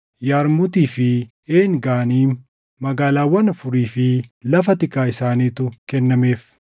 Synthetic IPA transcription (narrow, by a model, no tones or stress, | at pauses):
jaːɾmʊt̪iːfɪ | eːŋɡaːniː | mɐɡaːlaːwːɐnɐfʊɾiːfɪlɐfɐt̪ɪkʼːaːɪsaːniːt̪ʊkɛnːɐme̞ːf